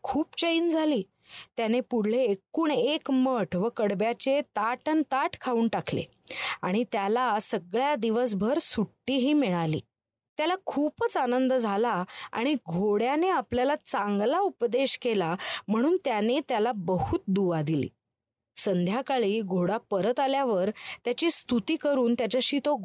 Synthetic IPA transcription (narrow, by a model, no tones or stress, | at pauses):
kʰuːpt͡ɕəiːnd͡zʱaliː | t̪janepuɽ̤lekuɳekməʈʰʋəkəɽbjat͡ɕet̪aʈənt̪aʈkʰauːɳʈakʰlḛ | aɽ̃it̪jalasəɡɭjad̪iʋəs̬bʱəɾsuʈːiːɦiːmiɭalḭː | t̪jalakʰuːpət͡sanənd̪əd͡zʱalaa̰ɽ̃iɡʱoɽjaneapljalat͡sãŋɡlaupd̪eɕkelam̤əɽ̃uːnt̪janet̪jalabəhut̪̚d̪uʋad̪ilḭː | sənd̪ʱjakaɭiːɡʱoɽapəɾət̪aljaʋəɾt̪jat͡ɕiːst̪ut̪iːkəɾuːnt̪jat͡ɕaɕiːt̪o